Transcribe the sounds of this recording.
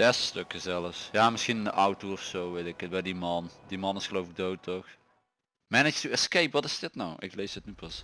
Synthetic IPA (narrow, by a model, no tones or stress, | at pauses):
dɛsəstøkəzɛləfsjaːmɪsxinɪndəʔawtoɔfsowʋetɪkətʋɛdimɑndimɑnɪsxəlowfɪk̚dowtɔx | mænəd͡ʒtuɛskejpʋɑtɪzdɪtnawʔɪ̰klejsətnypɑs